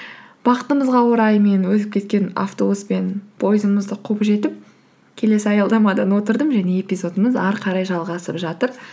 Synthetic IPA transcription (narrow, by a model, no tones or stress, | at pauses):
b̥ɑqə̥t̪əməzʁɑwoɾɑjme̞nwɵt̪ɪp̚kʲʰe̞t̪̚kʲe̞na̰ft̪o̞buspe̞npʰo̞jɪzəməzd̪əqʰupʒe̞t̪ɪp̚ | kʲʰe̞le̞sɪɑjɑlˠd̪ɑmɑd̪ɑnwo̞t̪əɾd̪əmʒæne̞e̞pʲijzo̞d̪əməzɑɾqʰɑɾɑjʒɑlˠʁɑsəpʒɑt̪əɾ